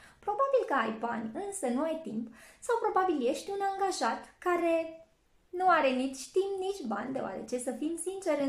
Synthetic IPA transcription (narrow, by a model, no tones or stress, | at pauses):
pɾo̞babilkəajbanʲɨnsənuajt̪impsawpɾo̞babilje̞ʃt̪ʲunaŋɡaʒat̪kaɾe̞ | nuaɾe̞nit͡ʃʲt̪impnit͡ʃʲba̰nʲd̪e̞oa̰ɾe̞̰t͡ʃe̞səfimsint͡ʃe̞ɾɨ